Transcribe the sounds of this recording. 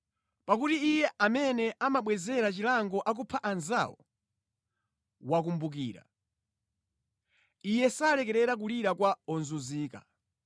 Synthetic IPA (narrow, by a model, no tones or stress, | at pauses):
pakutiijɛamɛnɛʔamaɓwɛzɛɾat͡ʃilaŋɡɔʔak̬upʰaʔanzawɔ̰ | wak̬umbuk̬ḭːɾa̰ | ijɛsalɛkɛɾɛɾak̬uliɾakwaɔnzuziːka̰